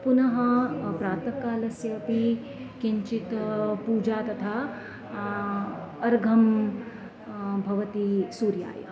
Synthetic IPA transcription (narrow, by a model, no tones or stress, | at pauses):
punɐɦɐpɾaːt̪ɐkːaːlɐsjɐːpi | kiɲt͡ʃit̪puːd͡ʒaːt̪ɐt̪ʰaː | ɐɾɡʱɐm | bʱɐʋɐt̪isuːɾja̰ːjɐ̰